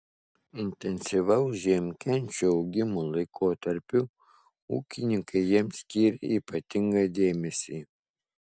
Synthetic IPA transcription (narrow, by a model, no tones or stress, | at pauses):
ɪnʲt̪ʲɛnʲsʲɪʋɐʊʒʲiɛmʲkʲɛnʲt͡ʃʲuɐʊɡʲɪmolˠɐɪkʰoːt̪ɐɾʲpʲʊ | ṵːkʲɪnʲɪŋkɐɪjiɛmsʲkʲiːɾʲɛiːpɐt̪ʲɪŋɡɐd̪ʲeːmʲɛsʲiː